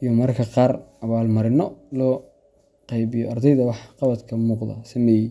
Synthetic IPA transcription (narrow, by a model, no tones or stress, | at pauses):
ijɔmɐrkʰɐqɑːrɐβaːlmɐɾɪnɔlɔː | qɑjβɪjɔɑrd̪ɛjðɐwɑħqɑβɐd̪kʰɐmuːqd̪ɐ̰sɐmɛːjɛ